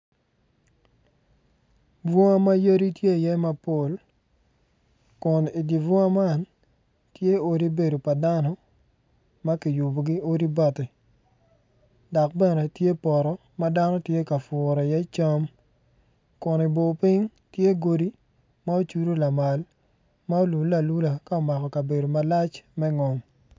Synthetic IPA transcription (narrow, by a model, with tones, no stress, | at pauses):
bɔ˦ŋa˦ma˦jə˦ɾi˦tje˦˨jɛ˦ma˦po˦˨l | kʊ˨ni˨di˨vɔ˦ŋa˦ma˦˨n | tje˦o˦ɾi˦be˨do˨pa˨da˦nɔ˦ | ma˦ki˨ju˨bo˨ɡi˦o˦ɾi˦ba˦˨te˨ | dɔ˨k̚bɛ˦nɛ˨tje˦pɔ˨ɾɔ˨ | ma˦da˦nɔ˦tje˦ka˨fʊɾɔ˨ja˦i˦t͡ʃa˦m | kʊ˨ni˨bo˨pi˦ŋ | tje˦ɡo˨di˦ | ma˦o˦t͡ʃu˦ɾo˦la˨ma˨l | ma˦o˦lu˨la˨lu˦la˨ka˦o˨ma˨kɔ˨ka˨be˨do˨ma˨la˦t͡ʃmɛ˦ŋɔ˨ŋ